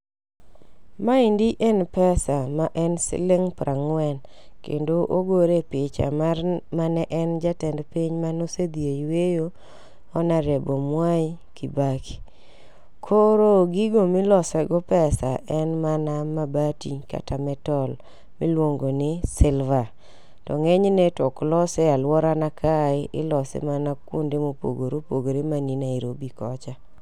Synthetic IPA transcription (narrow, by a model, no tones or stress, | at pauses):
maɪndiʔɛnpɛsamaʔɛnsɪ̰lɪŋpɾʔaŋwɛn | kḛndoʔoɡoɾepɪt͡ʃa̰mamanɛʔɛnd͡ʒatɛndpiɲmanosed̪ieiwejo | ɔnaɾebomwai | kʰibaki̥ | kʰoɾoɡiɡomɪlɔsɛɡɔpɛsaʔɛnmanamabatika̰tamɛtɔl | mɪlwoŋɡonɪsɪlva | tɔŋɛɲnɛtɔklɔsɛalwɔɾanakʰaɪʔɪlɔsɛ̰manakʊ̰ndɪmopo̰ɡoɾopoɡoɾemaninaiɾobikɔt͡ʃa